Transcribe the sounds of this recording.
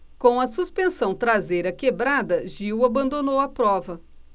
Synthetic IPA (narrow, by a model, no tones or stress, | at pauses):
kõw̃ɐsuspẽsɐ̃w̃t̪ɾazejɾɐkebɾad̪ɐʒiwabɐ̃nd̪onowɐpɾɔvɐ